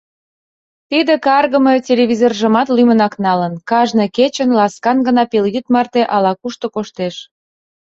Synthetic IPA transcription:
t̪id̪ekɑrɣə̆metʲelʲeβʲizorʒəmɑt̪lymənɑknɑlənkɑʒnɤket͡ɕənlɑskɑnɡə̆nɑpeljyt̪mɑrt̪eʔɑlɑkuʃt̪okoʃt̪eʃ

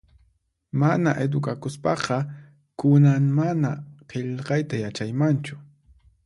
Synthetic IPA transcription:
manaʔed̪ʊkakʊspɑqɑ | kʊnaŋmanaqʰeʎqɑjt̪ajat͡ʃajmant͡ʃʊ

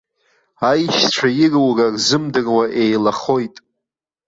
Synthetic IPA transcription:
ajʃʈ͡ʂʷʰajirwrarzɨmdɨrwaʔe̞jlaχo̞jtʼ

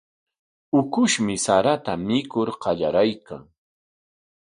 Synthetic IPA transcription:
ʊkʊʃmɪsaɾat̪amɪkʊɾqɑʎaɾajka̰ŋ

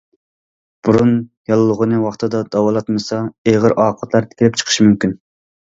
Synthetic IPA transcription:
b̥uɾunjɑlˠːʊʁənɨwɑχt̪ʰɨd̪ɑd̪̥ɑwɑlˠɑt̪mɨsɑeʁəɾʔɑːqʰɑt̪lˠɑɾt̪ʰɪ̥kʲilɪp̚t͡ʃʰə̥qʰə̥ʃmymkʲyn

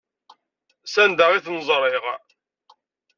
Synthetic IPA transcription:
sænd̪aʁiθnzˤɾˤɪʁ

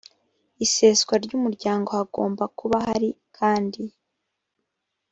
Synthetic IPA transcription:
ise̞sɡwaɾɟumuɾɟaːŋɡo̞haɡo̞ːmbakuβaɦaɾikʰaːndi

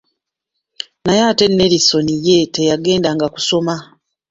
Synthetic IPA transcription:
najate̞nːe̞ɾiso̞nije̞te̞jaɡe̞ːndaŋɡaku̥so̞ma

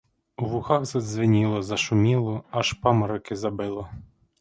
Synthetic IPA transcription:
uʋʊxɑxzɐd̪zʋɪnʲilˠɔzɐʃʊmʲilˠɔɑʃpɑmɐɾɔkɪzɐbɪlˠɔ

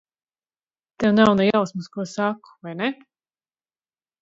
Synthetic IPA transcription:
t̪ɛwnawnajawsmuskuɔsaku̥vajnɛ

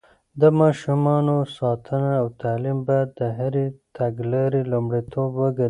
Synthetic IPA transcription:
d̪əmɑʃumɑnosɑt̪ʰənaːwt̪aːlimbajad̪ːəɦaɾit̪ʰaɡlɑɾilumɽit̪ʰobwəɡɐɾ

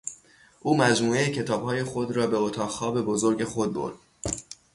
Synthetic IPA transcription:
ʔuːmæd͡ʒmuːejecʰe̞t̪ʰɒːb̥hɒːje̞xod̪ɾɒːbe̞ot̪ʰɒːʁxɒːbe̞bozoɾɟe̞xo̞d̪̚bo̰ɾd̪̥̚

